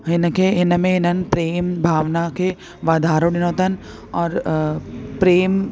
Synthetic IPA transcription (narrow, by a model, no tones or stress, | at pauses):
ɦɪnəkeɦɪnəmẽɦɪnɐnpɾeːmbʱaːʋnake | ʋaːd̪ʱaːɾonɪnoːt̪ɐn | ɔːɾ | pɾeːm